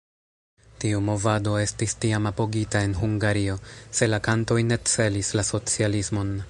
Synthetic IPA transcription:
tiumo̞vado̞e̞stistiamapo̞ɡitae̞nɦuŋɡaɾio̞se̞lakanto̞jne̞t͡se̞lislaso̞t͡sialismo̞n

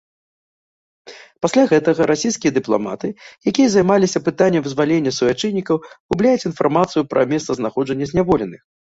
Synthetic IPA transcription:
pasʲlʲaɣɛt̪ɐɣɐɾʔasʲijskʲijɐd̪ɨplˠa̰ma̰t̪ɨjakʲijɐzɐjmalʲisʲɐpɨt̪anʲːɛmvɨzvalʲenʲːɐsuvʲat͡ʂɨnʲːikɐwɣublʲajɛt͡sʲinfarmat̪sɨjupɾɐmʲɛst̪sɐznaxɔd͡ʐɐnʲːɐzʲnʲavɔlʲɛnɨx

